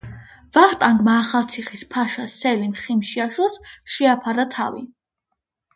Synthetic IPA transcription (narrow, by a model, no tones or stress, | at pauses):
vaχt̪ʼaŋɡmaːχalˠt̪sʰiχispʰaʃasɛlimχimʃiaʃɔsʃiapʰaɾat̪ʰa̰vḭ